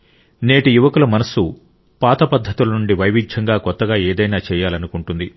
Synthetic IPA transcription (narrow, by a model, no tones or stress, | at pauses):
neːʈijuʋɐkulɐmɐnɐsu | paːt̪ɐpɐd̪ʱːɐt̪ilɐnuɳɖiʋɐjʋid͡ʒd͡ʒʰʱɐŋɡaːkɔt̪ːɐɡaːeːd̪ɐjnaːt͡ʃɛːjaːlɐnukuɳʈund̪i